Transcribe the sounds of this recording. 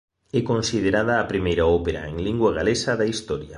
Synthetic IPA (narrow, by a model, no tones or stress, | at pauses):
ɛkonsið̞eɾað̞ɐːpɾimejɾaɔpeɾɐ̰eŋliŋɡwaɣalesɐðɐist̪ɔɾjɐ̰